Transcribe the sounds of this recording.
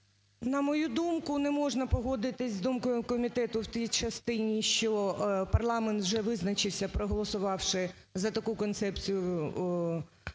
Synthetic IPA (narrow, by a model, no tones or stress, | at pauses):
nɐmɔjud̪umkʊnɛmɔʐnɐpɔɦɔd̪ɪt̪ɪzʲzd̪umkɔjʊkɔmʲit̪ɛt̪ʊwt̪ʲijt͡ʃɐst̪ɪnʲiʃt͡ʃɔpɐrlˠɑment̪wʒɛʋɪznɐt͡ʃɪwsʲɐpɾɔɦɔlˠɔsʊʋɑwʂɪ | zɐt̪ɐkukɔnt̪sɛpt͡sʲijʊ